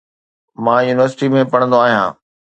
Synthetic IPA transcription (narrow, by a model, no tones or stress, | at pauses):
mãːjuːnɪʋəɾsɪ̥ʈimẽpɐɽ̃ə̃nd̪oaːɦijã̰ː